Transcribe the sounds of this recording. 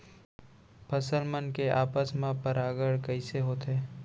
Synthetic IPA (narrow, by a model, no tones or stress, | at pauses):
pʰəsəlmənkeʔaːpəsmãpəɾaːɡəɽkɐɪseɦoːt̪ɦeː